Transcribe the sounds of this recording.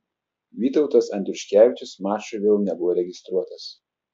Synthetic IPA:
ʋʲiːt̪ɒʊt̪ɐsɐnʲd̪ʲɾʲʊʃʲkʲæːʋʲɪt͡ʃʲʊsmɑːt͡ʃʊʋʲeːlˠnʲɛbʊʋɔːɾʲɛɡʲɪst̪ɾuɔt̪ɐs

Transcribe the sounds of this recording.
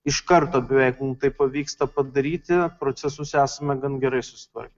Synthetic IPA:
ɪʃkɐɾt̪oːɐbʲɪʋʲɛɪkmuːmt̪ɐɪppɐʋʲiːkst̪ɐpɐd̪ɐɾʲiːt̪ʲɪpɾoːsʲɛsʊsæːsɐmʲɛɡɐnɡʲɛɾɐɪsʊ̥sʲɪ̥t̪ʋɐ̰ɾʲkʲɛ

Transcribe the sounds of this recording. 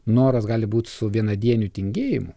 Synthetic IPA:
noːɾɐsɡɑːlʲɪbuːt̪ʲsʊʋʲiɛnɐd̪ʲiɛnʲut̪ʲɪŋʲɡʲeːjɪmʊ

